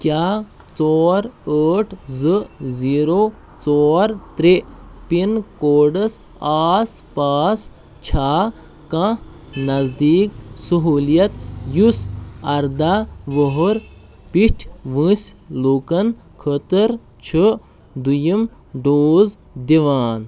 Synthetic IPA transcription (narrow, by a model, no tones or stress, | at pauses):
kʲjaː | t͡sɔːɾəːʈʰzɨziːɾoː | t͡sɔːɾt̪ɾepinkoːɖɐs | aːs | paːs | t͡ʃʰaː | kɐ̃ | nɐzd̪iːksɐɦuːlijɐt̪jusɐɾd̪aʋoɦoɾ | piʈʰʋɨ̃sluːkɐn | kʰət̪əɾ | t͡ʃʰə | d̪ujɐm | ɖoːz | d̪iʋaːn